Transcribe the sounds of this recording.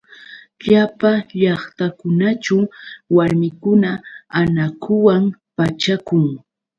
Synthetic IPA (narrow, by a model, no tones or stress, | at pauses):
ʎapaʎɑχt̪akʊnat͡ʃawwaɾmɪkʊnaanakʰʊwampat͡ʃakʊŋ